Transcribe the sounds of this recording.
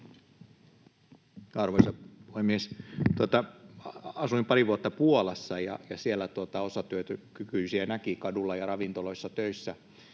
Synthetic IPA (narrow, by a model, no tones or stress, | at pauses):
ɑrʋoisɑpuhemːiest̪uot̪ɑ | ɑsuimpɑriʋuot̪ːɑpuolɑsːɑjɑ̰jɑsielːæt̪uot̪ɑosɑt̪yøt̪økykyisiænækikɑdulːɑjɑrɑʋint̪oloisːɑt̪øisːæ